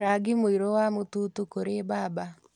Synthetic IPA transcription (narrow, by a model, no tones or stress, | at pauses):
aɡimoiɾowamotuːtukoɾebaːba